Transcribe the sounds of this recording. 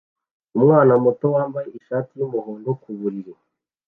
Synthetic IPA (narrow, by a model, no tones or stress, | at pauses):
umŋaːnamoto̞waːmbajeiʃaːtijumuhoːndo̞kuβuɾiɾe